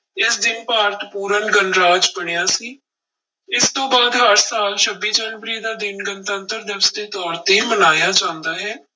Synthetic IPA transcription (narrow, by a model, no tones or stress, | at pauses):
ɪsd̪ɪnpaːɾt̪puːɾənɡənɾaːd͡ʒpəɽejaːsiː | ɪst̪õːbaːd̪ɦaɾsaːlt͡ʃʰəbiːd͡ʒɛːnʋəɾiːd̪aːd̪ɪnɡənt̪ənt̪əɾd̪əʋəsd̪eːt̪ɔːɾt̪eːiməlaːjaːt͡ʃãːnd̪aːɦɛː